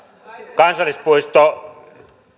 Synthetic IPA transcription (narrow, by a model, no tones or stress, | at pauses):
kɑnsɑlːispuist̪o